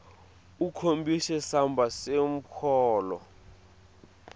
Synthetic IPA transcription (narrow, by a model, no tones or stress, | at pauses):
ukʰombʱisɛsambʱasem̩kʰɔːlɔ̰